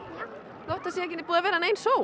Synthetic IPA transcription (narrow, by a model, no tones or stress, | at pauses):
loht̪asjɛɛc̬ɪnːɪpuːðavɛːɾaɛneːjnsoːw